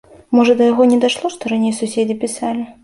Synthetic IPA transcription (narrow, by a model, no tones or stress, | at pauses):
mɔʐɐd̪ɐjaɣɔnʲɛd̪aʂlˠɔʂt̪ɔɾanʲejsusʲed͡zʲipʲisalʲi